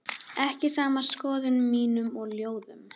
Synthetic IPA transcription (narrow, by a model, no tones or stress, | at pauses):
ɛhcɪsaːmaskɔːðʏnmːiːnʏmɔɣljoːwðʏm